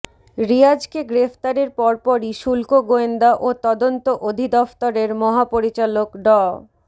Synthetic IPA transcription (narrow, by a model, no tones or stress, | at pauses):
ɾiad͡ʑkeɡɾefʰt̪aɾeɾpɔɾpɔɾiʃulkoɡoend̪aʔot̪ɔd̪ont̪oʔod̪ʱid̪ɔft̪oɾeɾmɔɦapoɾit͡ɕalokɖɔ